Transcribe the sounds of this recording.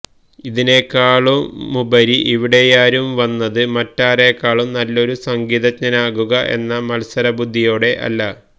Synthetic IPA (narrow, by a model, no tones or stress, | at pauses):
iðine̞kːaːɭumːubɐɾiʔiʋiɽe̞jaːɾumʋɐnːɐðɨmɐtːaːre̞kːaːɭumnɐlːo̞ɾusɐŋɡiːðɐtɲɐnaːɣuɣɐʔe̞̰nːɐmɐlsɐɾɐbud̪ʱːijo̞ːɽe̞ʔɐ̰lːɐ